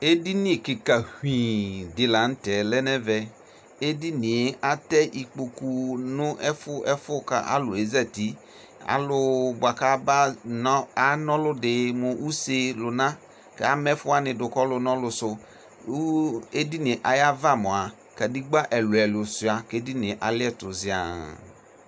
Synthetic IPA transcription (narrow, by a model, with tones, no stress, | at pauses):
e˦di˦nĩ˦˨kɪ˨ka˨hĩ˨dɪ˨la˨n̩˦tɛ˨lɛ˦nɛ˦vɛ˨ | e˦di˦ni˨e˦a˦tɛ˦ʔi˨k͡po˨ku˨nʊ˦ʔɛ˦fʊ˦ʔɛ˦fʊ˦ka˨a̰˦lʊ˨e˨zɛ˦ti˨˦ | a̰˨˦lʊ˨ba˨ka˦ba˦n˦a˦nɔ˦lʊ˦dɪ˨mʊ˨ʔu˦se˨lʊ˨nã˦ | kɛ˨˦a˦mɛ˦fʊ˦a˨nɪ̃˨dʊ˨kɔ˦lʊ˨nɔ̃˦lʊ˨sʊ˨˦ | e˦di˦nɪ˨ʔa˨ja˦va˦mʊ̃˨a˨ | ka˨di˦ɡ͡ba˦ʔɛ˨lʊ˨ɛ˨lʊ˨sʊ˨a˨ke˦di˦nɪ̃˨ʔa˨lɪ˦ɛ˦tʊ˨zɪ˨a̰˨